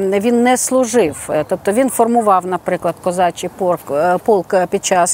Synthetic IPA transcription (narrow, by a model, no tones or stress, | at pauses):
ʋʲinːɛslˠʊʒɪwt̪ɔp̚t̪ɔʋʲinfɔrmʊʋɑwnɐpɾɪklˠɐd̪kɔzɑt͡ʃʲipurpulˠkpʲid̪̚t͡ʃɑs